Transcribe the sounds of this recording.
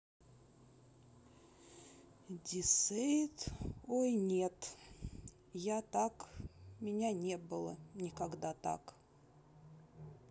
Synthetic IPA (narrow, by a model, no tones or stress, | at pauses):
dʲɪsejt̪ojnʲet̪ | jat̪akmʲɪnʲanʲebɨlˠə̰nʲɪkɐɡd̪at̪a̰k